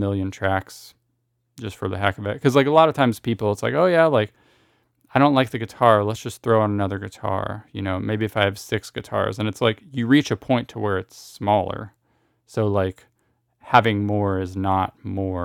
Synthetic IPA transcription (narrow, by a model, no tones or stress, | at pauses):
mɪlˠjɨ̃ntʰɹ̥æks | d̥ʒ̥ʌstfə˞ðɨɦækʌvɨt̚kʰʌzlaɪkəlɔɾʌv̥tʰãɪ̃mz̥pipl̩ˠətsla̰ɪkoʊjælaɪk | aɪɾõʊ̃nʔlaɪk̚ðɨɡɨtʰɑɹlətsd̥ʒ̥ʌsθɹoʊə̃nənʌðə˞ɡɨtʰɑ̰ɹjɨ̰noʊmeɪbiɨfaɪɨv̥sɪksɡ̥ɨtʰɑ̰ɹzɨ̃nɨtslaɪkjɨɹit͡ʃɨpʰɔ̃ɪ̃ntʰəwə˞ɨtsmɔlˠə̰˞ | soʊlaɪk | hævɪ̃ŋmɔɹɪznət̚mɔɹ